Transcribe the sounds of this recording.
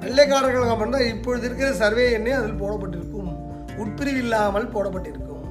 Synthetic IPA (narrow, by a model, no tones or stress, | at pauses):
ʋɛɭːɐkːaːɽɐŋɡɐɭɐkɐpːɐnraːɪpːɔɻɯðɪɾɯkːɪɾɐsɐɾʋeːɛnːeːɐðɪlpoːɽɐpːɐʈːɪɾɯkːɯm | ʊʈ̚pɪɾɪʋɪlːaːmɐlpoːɽɐpːɐʈːɪɾɯkːɯm